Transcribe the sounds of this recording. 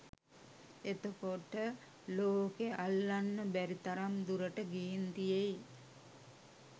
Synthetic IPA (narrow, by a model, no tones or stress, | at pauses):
et̪okoʈə | loːkeʔalːanːəbæɾit̪aɾamd̪uɾəʈəɡiːnt̪ijej